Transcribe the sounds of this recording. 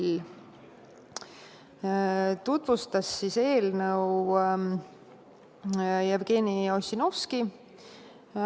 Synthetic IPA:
t̪ut̪vust̪ɑsːise̞ːlnəw | jevɡ̥eːnio̞sʲino̞fski

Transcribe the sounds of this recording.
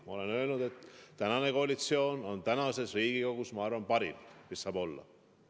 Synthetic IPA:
mɑ̰o̞le̞nøelnud̪̥e̞t̪ːænɑne̞ko̞ɑlit̪sio̞ːno̞nt̪ænɑse̞sriːɡ̥ikokusmɑɑrvɑnpɑɾḭmmisːɑːbo̞lːɑ̰

